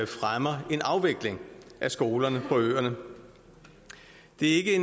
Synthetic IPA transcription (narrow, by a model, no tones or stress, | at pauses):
fʁamɐe̝nɑ̈ʊʋeɡ̥le̝ŋʔæsɡ̥o̝ːlɐnəpʰɒ̽ø̰ːɐnə | d̥e̝æɐe̝ɡ̥əen